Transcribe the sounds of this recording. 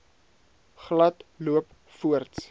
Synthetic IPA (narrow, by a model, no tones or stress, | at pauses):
χlɐtluəp | fuərts